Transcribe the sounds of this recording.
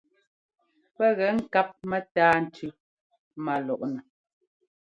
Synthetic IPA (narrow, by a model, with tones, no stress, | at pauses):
pɛ˦ɣɛ˨˦ŋ̩˦˨ka˦p̚mɛ˦taː˦n̩˨tʉ˦ | ma˨lɔ˨ʔnɛ˨